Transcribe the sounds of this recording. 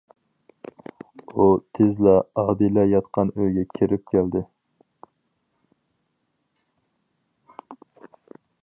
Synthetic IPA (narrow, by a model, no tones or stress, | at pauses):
ut̪ʰezlɛɑːd̪ilɛjɑt̪qʰɑnøjɡʲɛkʲʰeɾɪp̚kʲʰæld̪ɪ